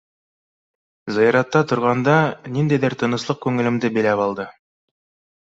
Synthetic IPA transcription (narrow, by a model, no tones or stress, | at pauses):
zɑjɑɾɑt̪ːɑt̪ŏɾʁɑnd̪ɑnind̪æjðɘɾt̪ʰɤ̆nɤ̆slˠɤq̚kʉŋɘ̆lɘ̆md̪ɘbĭlæpɑlˠd̪ɤ